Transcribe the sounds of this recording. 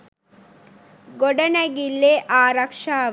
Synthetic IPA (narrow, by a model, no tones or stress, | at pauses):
ɡoɖɐnɐɡilːeʔaːɾɐkʂaː